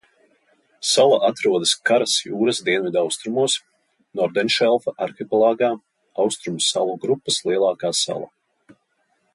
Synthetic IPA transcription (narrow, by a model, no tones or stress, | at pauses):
salˠaʔat̪ɾuɔd̪ɨskaɾasjuːɾasd̪iɛnvid̪awst̪ɾumuɔs | nɔɾd̪ɛnʃɛlˠfaʔaɾxʲipɛlˠaːɡaː | awst̪ɾumusalˠuɡɾupːaslˠiɛlˠaːkaːsa̰lˠa̰